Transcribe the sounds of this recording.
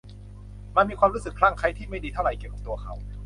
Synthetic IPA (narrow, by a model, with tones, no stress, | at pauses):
ma˧nmiː˧kʰwaː˧mɾuː˦˥sɯ˨˩kʰːɾaː˥˩ŋkʰa˦˥jt̪ʰiː˥˩ma˥˩jdiː˧t̪ʰa˥˩ɾa˧˩jki˨˩ka˨˩p̚t̪u˧ɐkʰa˦˥w